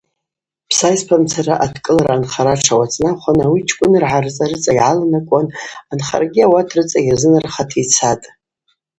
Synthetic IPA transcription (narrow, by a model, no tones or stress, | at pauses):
pʰsajspʰamt͡sʰaraʔatʰkʼɨlaɾaːnχaɾaʈ͡ʂʰawat͡sʼnaχʷanawit͡ʃʰʼkʷʼʊnɨrʕarɨt͡sʼarɨt͡sʼaiʕalanakʷʼananχa̰rɡʲiawatʰrɨt͡sʼairzɨnɨrχatʰit͡sʰatʼ